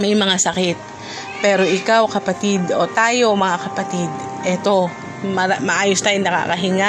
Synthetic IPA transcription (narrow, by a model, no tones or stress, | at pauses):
mɐjmɐŋasɐkɪt̪̚ | pɛːɾo̞ʔɪkawkɐpɐt̪ɪd̪ot̪aːjo̞mɐŋakɐpɐt̪id̪ | ʔɛt̪o̞ | mɐmɐʔaːjost̪aːjonɐka̰kɐɦɪŋa